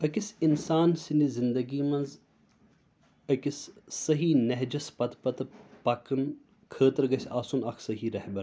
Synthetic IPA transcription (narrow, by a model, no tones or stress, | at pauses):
ɐkisinsaːnsinizɪnd̪ɐɡiːmɐnz | ɐkissɐɦiːnɐɦd͡ʒɐspɐt̪pɐt̪pɐkɨn | kʰəːt̪ɐɾɡɐsʲaːsunɐkʰsɐɦiːɾɐhbɐɾ